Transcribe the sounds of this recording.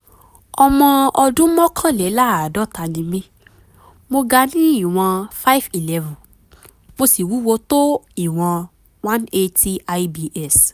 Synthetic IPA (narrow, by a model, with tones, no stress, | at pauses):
ɔ˧mɔ̃˧ɔ˧dũ˦mɔ̃˦kʰã˦˨lɛ˨˦la˦˨dɔ˦ta˧nĩ˧mĩ˦ | mo˧ɡa˧nĩ˦i˦˨w̃ɔ̃˧fa˦i˦fi˨lɛ˧vɔ̃˨ | mo˧si˨wu˨˦wo˧to˦i˨w̃ɔ̃˧ | wã˦ne˧ti˦a˧ibi˧ʔɛ˦˨s